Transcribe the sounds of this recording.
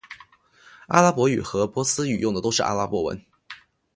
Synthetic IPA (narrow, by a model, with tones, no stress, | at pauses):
a̰˥la˥pwɔ˧˥y˨˩xɤ˧˥pwɔ˥sɹ̩˥y̰˨˩jʊ˥˩ŋd̪ə˩t̪o˥ʊʂɻ̩˥˩ʔa̰˥la˥pwɔ˧˥wə̰˧˥n